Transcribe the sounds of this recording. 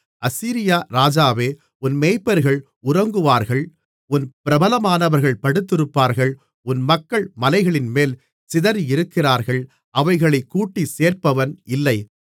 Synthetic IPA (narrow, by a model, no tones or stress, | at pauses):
ʔɐsiːɾɪjaːɾaːd͡ʒaːʋeː | ʊnmeːɪpːɐɾɣɐɭ | ʊɾɐŋɡɯʋaːɾɣɐɭ | ʊnpɪɾɐbɐlɐmaːnɐʋɐɾɣɐɭpɐɽɯt̪ːɪɾɯpːaːɾɣɐɭ | ʊnmɐkːɐɭmɐlɐɪɣɐɭɪnmeːl | sɪðɐɾɪɾɯkːɪraːɾɣɐɭ | ʔɐʋɐɪɣɐɭɐɪkːuːʈːiseːrpɐʋɐnɪlːɐɪ